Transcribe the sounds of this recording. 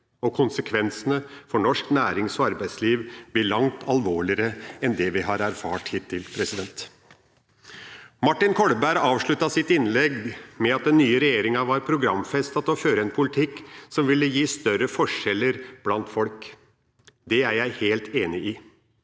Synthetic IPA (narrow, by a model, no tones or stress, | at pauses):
ɔkʰʊnsəkʰʋɛnsənəfɔɳɔʂknæːɾɪŋsɔɑɾbæɪd̪sliːʋb̪ɪɭɑŋt̪ʰɑlʋoːɭɪəɾəɛnd̪ɛʋɪɦɑɾæɾfɑ̰ːʈhiːt̪ʰːɪlpʰɾɛsɪd̪ɛnt̪ | mɑʈːɪnkʰɔɽbæɾɑːʋʂɭʉt̪ːɑsɪt̪ɪnlɛɡmɛɑt̪̚d̪ɛnːyːəɾɛjeːɾɪŋɑʋɑɾpʰɾʊɡɾɑmfɛst̪ɑt̪ɔføːɾəɛnpʰʊlɪt̪ʰɪkːsɔmʋɪlːəjiːst̪œɾəfɔʂɛlːəɾb̥lɑnt̪fɔlk | d̪ɛæɾjæɪheːlt̪ʰeːnɪʔɪ